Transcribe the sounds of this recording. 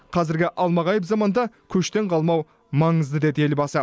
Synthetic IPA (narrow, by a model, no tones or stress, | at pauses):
qʰɑzɪɾɡʲɪʔɑlˠmɑʁɑjəpzɑmɑnd̪ɑkʲʰɵʃt̪e̞ɴqʰɑlˠmɑw | mɑɴəzd̪əd̪e̞d̪əe̞lbɑsə